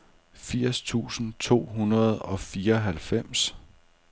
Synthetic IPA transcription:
fiɐ̰st͡sʰṵːsn̩t͡sʰo̝̰ːɦunɐð̞ˠɒ̽fiːɐɦælfem̰s

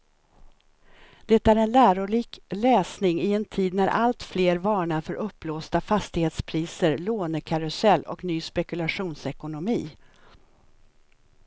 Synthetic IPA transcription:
d̪̥ɛt̪ːæɾɛnlæːɾʊɭiːklɛːsnɪŋɪɛnt̪ʰiːd̪næɾʔa̰lt̪fleːɾvɑːɳaɾfœɾʔɵpːloːst̪afast̪ɪheːt̪spʰɾiːsəɾloːnəkʰaɾʊsɛlːʔɔ̰knyːspɛkɵlaɧuːnsɛkʊnʊmiː

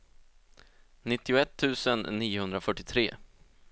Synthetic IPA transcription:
nɪt̪ːɪʊɛt̪ʰːʉ̟ːsənːiːʊhɵnd̪ɾafœʈːɪt̪ʰɾeː

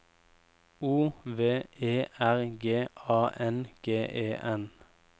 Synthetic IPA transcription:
uːʋeːʔeːʔæʁɡeːɑːʔɛnɡ̥eːʔeːʔɛn

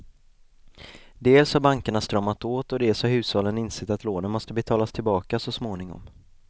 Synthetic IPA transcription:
d̪eːlshaɾbaŋkaɳast̪ɾœmːat̪oːt̪ɔd̪eːlshaɾhʉ̟ːshɑːlənɪnsɛt̪at̪loːnənmɔst̪əbɛt̪ʰɑːlast̪ʰɪlbɑːkasɔsmoːnɪŋɔ̰m

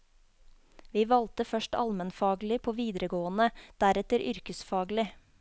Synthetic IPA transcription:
ʋiːʋɑlt̪əfœʃʈɑ̰lmənfɑːɡlɪpʰoːʋiːd̪ɾəɡoːənəd̪̥æɾɛt̪əɾʔʏɾkəsfɑːɡlɪ

